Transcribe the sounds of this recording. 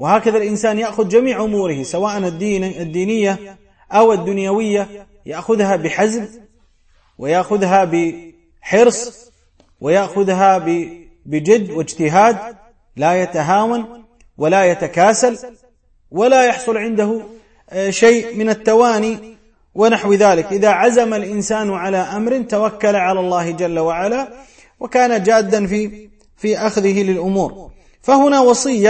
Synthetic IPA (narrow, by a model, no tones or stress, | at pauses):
wɪhaːkaðalʔɪnsaːnjaʔxʊðd͡ʒamiːʕʔʊmuːɾɪhɪsawaːʔand̪ad̪ːiːnɪjːa | ʔawad̪ːʊnjawɪjːa | jaʔxʊðhabɪħazb | wɪjaʔxʊðɦabɪ | ħɪɾsˤ | wɪjaʔxʊðɦabɪ | bɪd͡ʒad̪ːwɪd͡ʒt̪ɪɦaːd̪̚ | lajat̪aɦaːwan | walajat̪akaːsal | walajɑħsˤʊlʕɪnd̪aɦʊ | ʃejʔmɪnat̪ːawaːni | wɪnaħwðaːlɪkʔɪðaʕazamalʔɪnsaːnʕalaːʔamɾɪnt̪awakːalaʕalalˤːɑːhɪd͡ʒalːawaʕala | wɪkaːnad͡ʒaːd̪ːanfi | fiʔaxðɪɦɪlɪlʔʊmuːɾ | fahʊnawɑsˤɨjːa